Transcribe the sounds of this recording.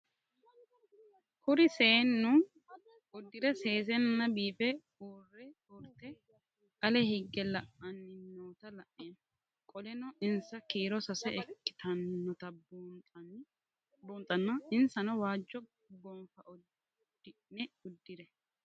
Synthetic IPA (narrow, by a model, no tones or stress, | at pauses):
hʊɾɪseːnːʊ | ʊd̪ːɪɾɛse̞ːs̬ɛnːɐbiːfɛ | uːrːɛ | ʊɾt̪ɛ | kʼɐlɛhɪɡːɛlɐʔɐnːɪnːoːt̪ɐlɐʔen | kʼɔlɛnɔɪnsɐkiːɾɔsɐsɛɛkːɪ̥t̪ɐnːɔt̪ɐb̪ | boːnt̪ʼɐnːɐɪnsɐnɔwaːd͡ʒːɔ | ɡɔmfɐ | ɪnɛʊd̪ːɪɾɛ